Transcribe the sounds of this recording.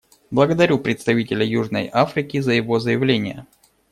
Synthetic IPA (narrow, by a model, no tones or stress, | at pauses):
blˠəɡəd̪ɐɾʲupɾʲɪt̪st̪ɐvʲitʲɪlʲəjuʐnə̰jafɾʲɪkʲɪzəjɪvo̞zəjɪvlʲenʲɪjə